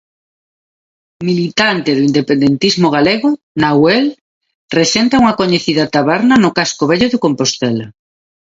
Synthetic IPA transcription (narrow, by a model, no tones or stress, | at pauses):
milit̪ant̪eðʊind̪epend̪ent̪izmoɣ̞aleɣʊ | nawel | resent̪auŋɐkoɲeθiðat̪aβɛɾnanʊkaskoβɛʎoðekompost̪ela